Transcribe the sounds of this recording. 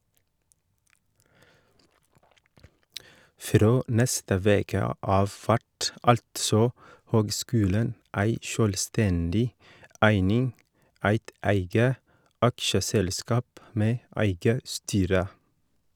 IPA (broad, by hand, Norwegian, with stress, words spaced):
ˈfɾoː ˈnɛstə ˈʋeːkə ˈɑːʋ ˈfæʈ ˈɑltsɔ ˈhøːɡˌskʉːlən ˈæɪ ˈʃøːlˌstɛndɪ ˈæɪnɪŋ ˈæɪt ˈæɪɡə ˈɑkʃəsɛlˌskɑːp ˈmeː ˈæɪɡə ˈstyːɾə